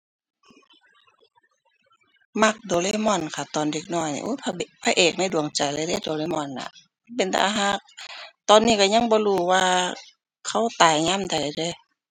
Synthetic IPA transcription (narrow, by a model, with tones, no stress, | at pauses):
ma˧˥˩k̚doː˨˦le˧˨mɔ˧˩˨nkʰa˧˩t̪ɔː˨˩nde˧k̚nɔː˧˩˨jnḭ˧˨ʔo˧˥˨pʰa˧pʰaː˧ʔeː˨˩k̚na˧˥˨jdu˨˩əŋt͡ɕa˨˩jla˧˦de˧˥˨do˨˦le˧˨mɔ˧˩˨nla̰˧ | pe˨nt̪ʰa̰˧ɦa˧˥˨k̚t̪ɔː˨nːiː˧˥˨ka˧˩ɲa˧˥˨ŋbɔː˧˦luː˧˩waː˧ | kʰa˧˩˨wt̪aː˨˩jɲaː˧˥˨mda˨˩jde˧˨